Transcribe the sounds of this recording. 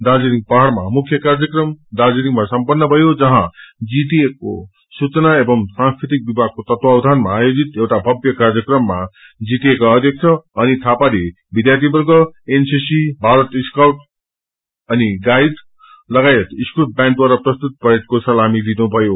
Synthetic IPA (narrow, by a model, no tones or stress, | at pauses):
d̪ad͡zinik̚pʌɦaɾma̰mukʰːjʌkard͡zjʌkrʌmd̪ad͡ziniŋmasʌmpʌnːʌbʱʌjod͡zʌɦãd͡ziʈieko̰ | sut͡sʌnaebʌŋsãŋskɾit̪ik̚bibʱaɡ̚kot̪ʌt̪wawd̪ʱanmaːjod͡zit̪ewʈabʱʌbjʌkard͡zjʌkrʌmːa | d͡zit̪iekaʌd̪ʱjʌk̚t͡sʰʌʌnit̪ʰapale | bid̪jart̪ibʌrɡʌensisibʱaɾʌt̪iskawʈ | ʌniɡajd̪ | lʌɡajet̪iskuʈ̚bjãɳʈwaɾʌprʌst̪ut̪̚pʌɦeʈ̚kosʌlamilinubʱʌjo